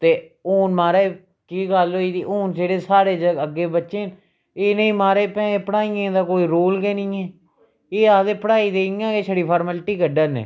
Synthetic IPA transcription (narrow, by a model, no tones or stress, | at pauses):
t̪eː | oːnmaːɾaːe | kiːɡaloːiːd̪iːʔoːnd͡ʒeːɽeːsaːɾeːd͡ʒəəɡːeːbətːʃeː | eːnĩːmaːɾeːpɛ̃ːeːpəɽaːiẽd̪aːkoːiːɾoːlɡeːnĩːeː | eːaːd̪eːpəɽaːiːd̪eːiːãːeːsʰəɽiːpʰaːɾməlʈiːkəɖənḛː